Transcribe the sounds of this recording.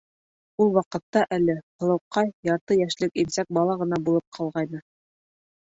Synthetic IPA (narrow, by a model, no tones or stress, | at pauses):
ulˠwɑqɤ̆t̪ːɑʔælɘqɤ̆lˠɤ̆wqːɑjjɑɾt̪ɤjæʃlɘkimsæk̚bɑlˠɑʁɤ̆n̪ɑbulˠɤp̚qʰɑlˠʁɑjnɤ